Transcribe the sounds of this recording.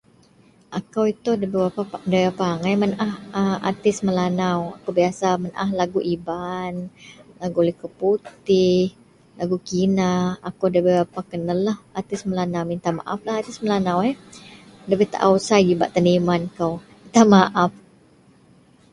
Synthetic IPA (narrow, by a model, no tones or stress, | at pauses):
ʔakawit̪udəbebapaadabapaːŋajmənʔahəa̰t̪ɪsməlanawa̰kawbiasamənʔahlaɡuʔibanlaɡulɛhkəwput̪ɪh | laɡukinaakawdəbəbapakənəlahat̪ɪsməlanawmint̪ama̰ʔaflahat̪ɪsməlanawɛ | dəbɛht̪a̰ʔawsajd͡ʒibaʔt̪animankaw | it̪amaʔaf